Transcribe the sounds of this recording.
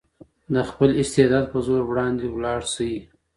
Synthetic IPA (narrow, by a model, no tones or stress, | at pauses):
d̪əxpəlɪst̪ed̪ɑːd̪̚pəzoɾwɽɑnd̪ewlɑːɽsawi